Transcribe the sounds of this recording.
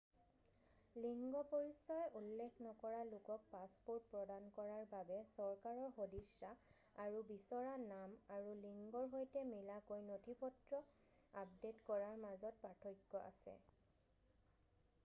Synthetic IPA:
liŋɡɔpoɹisɔjʔulːekʰnɔkɔɹalʊkɔk̚paspoɹt̚pɹɔdankɔɹaɹbabɛsɔɹkaɹɔɹxodisːa | aɹubisɔɹanamaɹuliŋɡɔɹɦojtɛmilakojnotʰipɔtɹɔ | ap̚detkɔɹaɹmazɔt̚patʰojkːɔʔa̰sɛ̰

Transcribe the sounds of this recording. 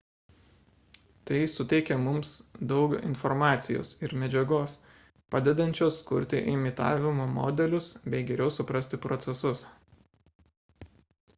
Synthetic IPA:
t̪ɐɪsʊt̪ʲɛɪkʲɛmʊmsd̪ɒʊkɪ̰nfɔɾmɑːt̪sʲɪjo̰ːsɪɾmʲɛd͡ʒʲɛɡoːs | pɑːd̪ʲɛd̪ɐnʲt͡ʃʲoːskʊɾʲt̪ʲɪ̰ʔɪmʲɪt̪ɑ̰ːʋʲɪmoːmo̰ːd̪ʲɛlʲʊsbʲɛɪɡʲɛɾʲɛʊsʊpɾɐsʲt̪ʲɪpɾɔt̪sʲɛsʊs

